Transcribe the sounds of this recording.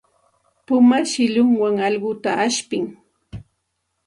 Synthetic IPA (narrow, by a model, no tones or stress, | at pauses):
pʊmaʃɪʎʊŋwaŋɑʎɢʊt̪aʔaʃpɪŋ